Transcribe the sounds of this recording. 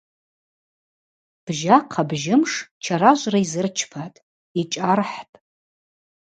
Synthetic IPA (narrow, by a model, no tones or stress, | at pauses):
b̥ʒaqʰabʒɪmʂt͡ʃʰaraʒʷʼraizɨrt͡ʃʰpʰatʼ | it͡ʃʼarħtʼ